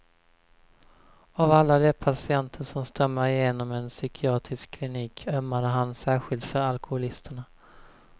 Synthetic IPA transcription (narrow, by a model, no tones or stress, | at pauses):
avalːad̪epʰasɪɛnt̪ʰəʂɔmst̪ɾœmːaɾɪjeːnɔmɛnsʏkʰɪɑːt̪ɾɪskʰːlɪniːkʰœmːad̪əɦansæːɧɪlt̪fœɾalkʰʊhʊlɪst̪əɳa